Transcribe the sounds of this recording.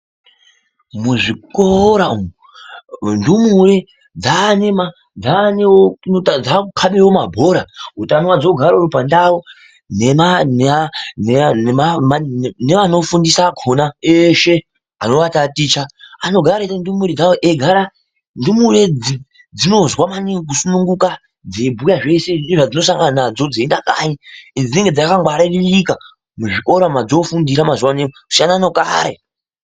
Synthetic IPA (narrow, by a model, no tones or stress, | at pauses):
muʐikoɾaumu | ndumure | d͡zanema | d͡zaneoad͡zakʰaɓewomabʱo̞ɾautanwad͡zoɡʱaɾoɾupandao | nemananmmne̞ʋano̞fundisaɡʰʱonaeʃe̞ | ano̞ʋatatit͡ʃaano̞ɡʱaɾetandumuɾid͡zaweʔeɡʱaɾa | ndumuɾed͡zi | d͡zino̞zwamanik̬usunuŋɡuka | d͡zebʱujaʐe̞senʐad͡zino̞saŋɡananad͡zo̞d͡zendakaiinid͡zine̞ŋɡed͡zakaɡwaɾarilika | muʐikʼo̞ɾamad͡zo̞fundiɾamazuwanemoku̥sianano̞kʼa̰ɾe